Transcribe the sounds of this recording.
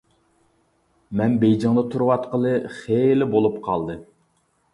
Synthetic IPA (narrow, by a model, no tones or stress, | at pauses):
mɛnbejd͡ʒɑŋd̪ət̪ʰuɾwɑt̪qəlˠɨχelɪbolˠupqʰɑlˠd̪ɨ